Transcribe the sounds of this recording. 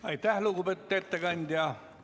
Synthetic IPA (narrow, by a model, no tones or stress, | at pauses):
ɑit̪æhlukubet̪ːet̪ːækɑnʲt̪jɑ